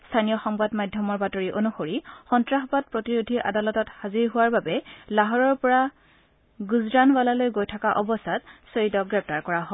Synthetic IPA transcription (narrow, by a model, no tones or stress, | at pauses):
stʰanijɔxɔŋbadmajdʱjɔmɔɹbatoɹiʔonuxoɹixɔntɹaxɔbat̚pɹotiɹudʱiʔa̰dalɔtɔthaziɹɦʊwaɹbabɛlaɦɔɹɔɹpɔɹa | ɡuzɹanwalalojɡojtʰakaʔɔbɔsatsoɹitɔɡɹɛp̚taɹkɔɹaɦɔ